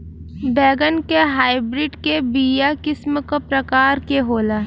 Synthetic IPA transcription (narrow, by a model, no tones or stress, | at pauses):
bɛːɡənkeɦaːɪbɾɪɖkebiːjakɪsməkpɾɐkaːɾkeɦoːlaː